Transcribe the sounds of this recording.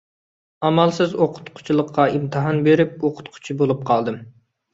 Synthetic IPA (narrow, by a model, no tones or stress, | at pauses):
ɑmɑlˠsɨzoqʰʊ̥t̪qʰʊ̥t͡ʃʰilˠəqʰːɑimt̪ʰɨɦɑnbeɾɪp̚oqʰʊ̥t̪qʰʊ̥t͡ʃʰibolˠup̚qʰɑlˠd̪ɨm